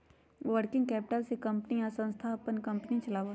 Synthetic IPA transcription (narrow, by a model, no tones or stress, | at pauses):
ʋəɾkɪ̃ŋɡkɛːpɪʈəlsekɐ̃mpniasə̃nst̪ʰaːpənkɐ̃mpnit͡ʃɐlaːʋo